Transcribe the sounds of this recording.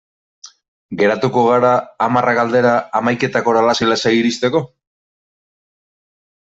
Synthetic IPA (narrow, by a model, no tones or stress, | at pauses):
ɡe̞ɾat̪uko̞ɣ̞aɾaːmaraɣald̪e̞ɾaːmajke̞t̪ako̞ɾalasolasajiɾist̪e̞ko̞